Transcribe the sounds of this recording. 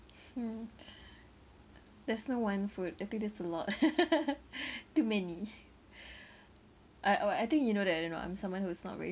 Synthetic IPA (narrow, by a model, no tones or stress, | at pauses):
dɛsnowãnfut̚ajt̪ɪ̃ŋk̚dɛsəlɔt̚ | tːumɛni | ʔaɪʔajt̪ɪ̃ŋkjunoɾɛtaɪdõnːo̰ʔã̰j̃msãmwãnhusnɔ̰tvɛ̰ɹi